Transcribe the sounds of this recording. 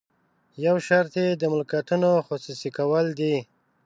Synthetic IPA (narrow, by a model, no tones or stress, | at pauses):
jawʃaɾt̪ed̪əmʊlkat̪unoxosusikawəld̪i